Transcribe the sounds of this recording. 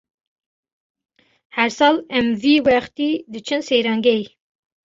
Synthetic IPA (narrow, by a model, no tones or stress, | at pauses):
hæɾsɑːlɛmviːwɛχt̪iːd̪ɨt͡ʃʰɨnsejɾɑːŋɡɛj